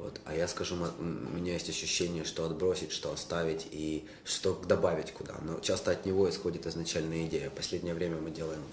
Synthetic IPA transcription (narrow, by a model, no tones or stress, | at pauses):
vo̞̰t̪ɐ̰jaskɐʐumɐʊ̰mʲɪnʲajesʲtʲɐɕːʏɕːenʲɪjəʂt̪o̞ɐd̪bɾo̞sʲɪtʲʂt̪o̞ɐst̪avʲɪtʲi | ʂt̪o̞d̪ɐbavʲɪtʲkʊd̪a̰no̞̰t͡ɕast̪əɐt̪nʲɪvo̞ɪsxo̞dʲɪt̪ɨznɐt͡ɕælʲnəjəɪdʲejəpɐsʲlʲedʲnʲɪjəvɾʲemʲəmɨdʲe̞lˠəjɪm